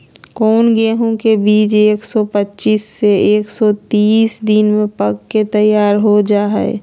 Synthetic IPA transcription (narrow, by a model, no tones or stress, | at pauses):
kɔːnɡeːɦõkebiːt͡ʃeːksɔpətːt͡ʃiːsːeeːksɔt̪iːsd̪ɪnmẽpəɡket̪əjːaːɾɦod͡ʒaːɦɛ̰